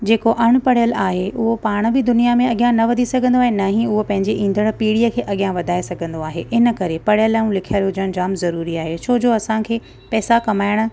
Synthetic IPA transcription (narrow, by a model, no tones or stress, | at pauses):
d͡ʑeːkoʔɐɽ̃ʊ̆pɐɽ̤ijəlaːɦeʔʊɦopaːɽ̃bɪd̪ʊnijamẽɐɠijãnɐʋɐd̪ʱisɐɡʱə̃nd̪oaːɦenɐɦĩʊɦopɐ̃ɦɪ̃ɲd͡ʑeʔĩːn̆d̪əɽ̃̆piːɽijəkʰeːʔɐɠijãʋɐd̪ʱaːesɐɡʱə̃nd̪oaːɦeʔɪnə̆kɐɾepɐɽ̤jəlaːũlɪkʰiaːɾjod͡ʑɐñd͡ʑaːmzɐɾuːɾiaːɦet͡ɕʰoːd͡ʑoːɐsãkʰeː | pɛːsakɐmaːɪɽ̃ʊ̆